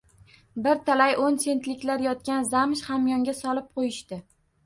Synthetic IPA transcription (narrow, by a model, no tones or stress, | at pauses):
bɪɾt̪ʰalajʔonse̞nt̪lɪkʲlaɾjɒt̪̚kʲanzamʃhamjɒŋɡʲasɒlɪp̚qʰojɪʃt̪ɪ